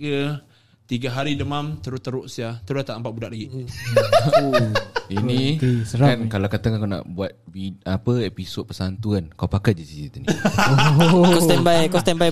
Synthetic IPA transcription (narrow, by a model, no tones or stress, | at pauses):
kə | t̪iɡaɦaɾidəmamt̪əɾʊt̪ːəɾʊʔsiat̪əɾut̪aʔmpaʔ̚budaʔlaɡi | inisəɾakankalawkat̪aŋakana̰ʔbuat̪̚biapəepisod̪̚pəsant̪uankawpakat̪̚d͡ʒisisit̪uni | kɔst̪ɛmbajkɔst̪ɛmbaj